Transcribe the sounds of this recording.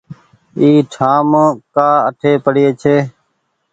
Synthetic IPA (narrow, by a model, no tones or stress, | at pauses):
iːʈʰaːmkaːəʈʰeːpəɽɪeːt͡ʃʰeː